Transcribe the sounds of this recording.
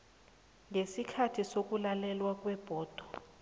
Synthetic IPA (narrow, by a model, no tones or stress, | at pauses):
ŋesikʰatʰisok̬ʼulalɛlwak̬ʼwɛb̥ʱɔːd̥ʱɔ